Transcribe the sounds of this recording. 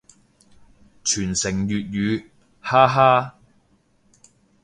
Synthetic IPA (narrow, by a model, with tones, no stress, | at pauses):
t͡ʃʰyː˨˩nsɪ˨˩ŋjyː˨t̚jyː˨˧ | haː˥ɦaː˥